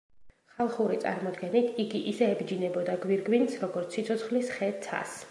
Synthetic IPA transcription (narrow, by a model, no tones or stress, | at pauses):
χalˠχuɾit̪sʼa̰ɾmɔd̪ɡɛnit̪ʰiɡiʔisɛːbd͡ʒinɛbɔd̪aɡwiɾɡwinsɾɔɡɔɾt̪sʰsit̪sʰɔt̪sχlisχɛsʰa̰s